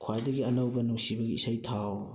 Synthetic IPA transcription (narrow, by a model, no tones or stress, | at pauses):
kʰwajdɐɡiɐnɐwbɐnuŋsibɐɡiːsajtʰaw